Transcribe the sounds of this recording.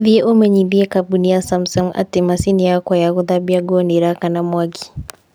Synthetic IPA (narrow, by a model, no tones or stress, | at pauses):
vieʔomɐɲibijekabunijasamsɔŋʔa̰tːimasinijakʷajaɡʊd̪abijaɡoːneɾakanamaɡi̥